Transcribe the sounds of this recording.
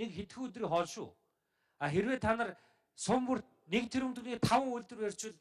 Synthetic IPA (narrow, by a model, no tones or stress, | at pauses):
ekxet̪xiːut̪̬ɾiːχɔɮʃʊ̰ː | aːxeɾweːt̪ʰanə̆r | sʊmpə̆r̥ | nek̚t̪ʰeɾɘ̆mt̪ɵ̆niːt̪ʰawə̆ŋuɮʲt̪ɵ̆rwer̥ʲt͡ɕwʊ̆ɮ